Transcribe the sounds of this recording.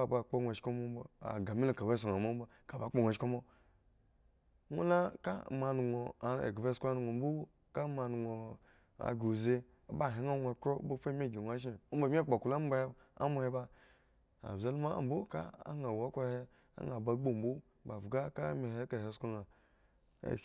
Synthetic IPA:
a˨ba˨k͡po˦nʷ˨e˨ʃko˦mo˦m˦bo˨a̰˨ɡa˨mi˦la˨ka˨we˦s̬o˨ŋa˨mo˦bo˨ | ka˨ba˨˦k͡po˦nʷe˨ʃko˦mo˦ | o̰˦la˦ka̰˦˨ma˨nu˨ŋo˨ḛ˨ɡa˨be˦sʷa˦nu˨ŋo˨m̩˦bu˦ | ka˦ma˨nu˨ŋo˨ | a̰˨ɡu˨ze˦ | a˨ba˦˨ɦe˨˦a˦ŋʷa˨kɾo˦bo˦fe˦me˦˨ɡi˨nʷ˨a˦ʃ̬e˦˨o˦ba˨mʲ˦e˦˨k͡po˨ku˨la˦m˦ba˦e˦ | a̰˦mo˦he˦ba˦ | a̰˨za˦lma˦˨m̩˨bo˦ka̰˦a̰˦ŋa˨wa˦kʷa˦he˦ | a̰˦ŋa˨ba˨˦ɡ͡bo˦m̩˦bo˦ | ba˨bɡa˦ka˦me˨he˦ka˨he˨sko˦ŋa˨ | a̰˨

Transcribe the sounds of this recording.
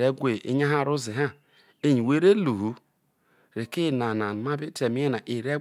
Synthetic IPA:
ɾe˦ɡʷe˨ḛ˦ɲa˦ɦa˦˨ɾu˦zi˨ɦa˦ | e˦ɲi˨we˦ɾe˦lu˨ɦu˨ | ɾe˨ki˦˨na˨na˨ma˦bi˦te˨mi˦e˦na˨ʔi˨ɾe˦

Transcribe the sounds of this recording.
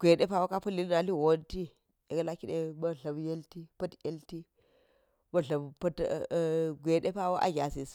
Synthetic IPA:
ɡ̥ʷe˨ɗe˦pa˦wo˦ka˦pɐ˦lːi˦lna˨li˦wo˦nti˦ | e˨ɡa˦la˦ki˦ɗe˦bɐ˦ɬɐ˨bje˦lti˦pɐ˦tje˦lti˦ | bɐ˦ɬɐ˨bpɐ˦t | ɡʷe˨ɗe˦pa˦wo˦ʔa̰˦ɡʲa˨se˨s

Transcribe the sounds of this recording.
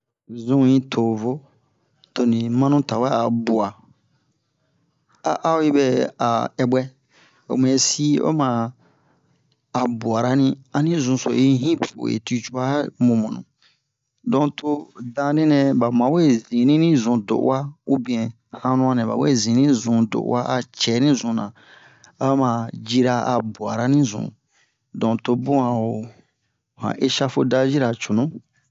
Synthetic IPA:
zũ˦ĩ˦tʰo˨vo˦ | to˨nĩ˨mã˦nũ˦ta˨wɛ˦a˨bu˨a˨ | a̰˦ʔa˦o˦i˦bɛ˦a̰˨ɛ˨bwɛ˦ | o̰˨m˨ɛ̃˨si˦o̰˦mã˨ | a˨bu˨a˨ɾa˦nĩ˧a˦nĩ˦zũ˧so̰˨i˦ɦĩ˦po̰˨ḛ˨ti˧t͡ʃu˦a˦mũ˨mõ˨nṵ̃˨ | dɔ̃˨to˦dã˧de˦nɛ̃˨ba˨mã˨˦we˦zĩ˨nĩ˦nĩ˦zũ˨do̰˨ʔwa˦u˦bĩ˨ɛ̃˨ | hã˧nũ˦ã˧nɛ̃˨ba̰˨we˦˨zĩ˨nĩ˦zũ˨do̰˨ʔwa˦ʔa˨t͡ʃɛ˨˦nĩ˦zũ˨nã˨ | a˦a˦mã˨d͡ʒi˧ɾa˧a̰˨bwa˨ɾa˦nĩ˦zṵ̃˨ | dɔ̃˨to˧bũ˦ã˨o˨ | hã̰˨ʔe˦ʃa˦fo˧da˦d͡ʒi˦ɾa˨t͡ʃu˨nũ˦

